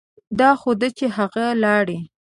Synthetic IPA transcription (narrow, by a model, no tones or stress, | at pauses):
d̪ɑxod̪ət͡ʃeɦaɣalɑɽi